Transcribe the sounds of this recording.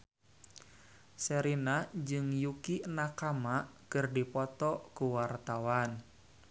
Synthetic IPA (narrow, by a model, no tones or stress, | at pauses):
sɛɾinad͡ʒɨŋjukinakamakɨrdipɔt̪ɔkuwart̪awan